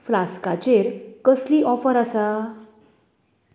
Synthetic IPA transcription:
flaskat͡ɕeɾkəsliːʔɔfəɾasa

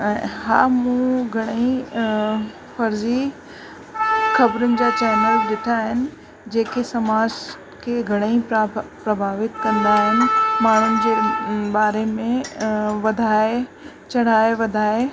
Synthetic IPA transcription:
ɛ̃ːɦaːmũɡʱɐɽ̃ĩ | fɐɾzi | xɐbɾʊnɪ̆d͡ʑaːt͡ɕɛːnəlɗɪʈʰaːɦɪnɪ̆ | d͡ʑeːkesɐmaːd͡ʑ | kʰeɡʱɐɽ̃eĩpɾɐbʱaːʋɪt̪kɐ̃nd̪aɦɪnɪ̆maːɳ̤ʊnɪ̆d͡ʑeːɓaːɾemẽʋɐd̪ʱaːe | t͡ɕɐɽ̤aːeʋɐd̪ʱaːe

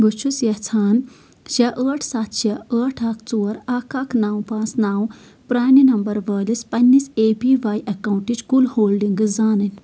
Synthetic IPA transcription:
ɡut͡ʃʰusjɐt͡sʰaːn | ɕaʔəʈʰsat̪ɕaəːʈʰakt͡soːɾakakʰnawpãt͡snaw | pɾaːninɐmbəɾʋəlispɐnːiːsepiʋajʔɐkaw̃ɳʈit͡ʃkulhoːlɖiŋɡɨzd͡zanənʲ

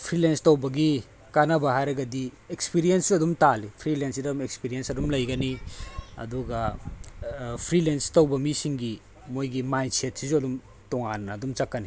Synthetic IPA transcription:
pʰɾilenstɐwbɐɡi | kanɐbɐhajɾɐɡɐdi | ekspiɾijensɐdumtalipʰɾilensidɐdumek̚spiɾiensɐdumlɐjɡɐniɐ̰duɡɐ | pʰɾilenstɐwbɐmisiŋɡi | mojɡimajnset̚sizuɐdum | toŋanːɐːdumt͡ʃɐkːɐni

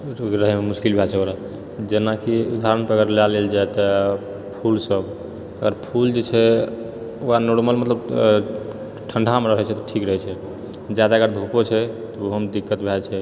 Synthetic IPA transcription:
ɾəɦɛmemuskilbʱat͡ʃʰɛoɾa | d͡ʒenakiud̪aɾənpeəɡəɾlaleld͡ʒajt̪ɔ | pʰulsəb | əɡəɾpʰuld͡ʒet͡ʃʰɛ | oanoɾməlmət̪ləb | ʈʰəɳɖʱameɾəɦɛt͡ʃʰɛt̪ɔʈʰikɾəɦɛt͡ʃʰɛ | d͡ʒad̪aəɡəɾd̪ʱukot͡ʃʰɛt̪ɔoɦəmd̪ikːət̪bʱat͡ʃʰɛ

